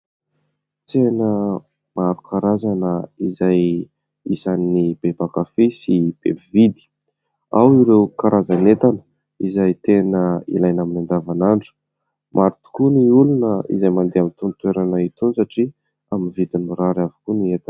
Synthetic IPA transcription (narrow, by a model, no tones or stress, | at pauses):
t͡senə | maɾukʰaɾazanəizaj | isanːib̥ebakafisib̥ḛbivid̪i̥ | awiɾewkaɾʔazanet̪anə̥ | izajt̪enəḭlajnaminand̪avanaɳɖ͡ʐu̥ | mʔaɾit̪u̥kuniulunəḭzajmand̪eamint̪unt̪weɾanəit̪unsaʈ͡ʂi | aminvid̪inuɾaɾavu̥kuniet̪a